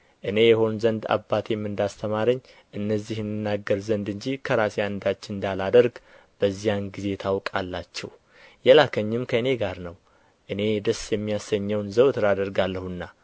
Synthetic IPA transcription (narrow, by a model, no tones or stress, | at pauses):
ʔɨne̞jɛho̞nnzənd̪a̰bːat̪ʰemːɨnd̪ast̪ʰəmaɾəɲː | ʔɨnːəzːihnɨnːaɡːəɾzənd̪ɨɲd͡ʒikʰəɾasjaɨnd̪at͡ʃːnd̪alad̪əɾɡb̥əzːijanɡize̞t̪ʰawkʼalːat͡ʃːɛ̰w | jɛlakʰəɲːɪmkʰəɨne̞ɡaɾnəw | ʔɨne̞d̪əsjɛmːijasəɲːɛwnzəwt̪ʰɨɾad̪əɾɡalːəhunːa